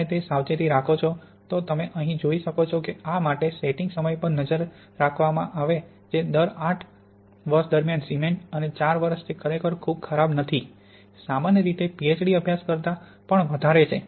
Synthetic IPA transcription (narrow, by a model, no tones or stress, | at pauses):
et̪esawt͡ʃet̪iɾakʰot͡ʃʰo | t̪ot̪əmeʔəɦĩd͡ʒoiʃəkot͡ʃʰokeamaʈeseʈiŋɡsəməjpəɳnəd͡ʒəɾː | akʰʋamã̰ʔaʋe | d͡ʒed̪əɾaʈʰ | ʋəɾʃd̪əɾmjansimeɳʈənet͡ʃaɾʋəɾʃt̪ʰikʰəɾekəɾkʰub̚kʰəɾabnət̪ʰi | samanjəɾit̪epiet͡ʃɖiəbʱjaskəɾt̪a | pəɳʋəd̪ʱaɾet͡ʃʰe